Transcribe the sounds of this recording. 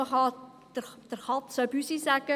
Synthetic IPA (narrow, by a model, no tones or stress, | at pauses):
əχɑ | d̥əd̪̥əɾχɑt̪sœbysisæɡ̥ə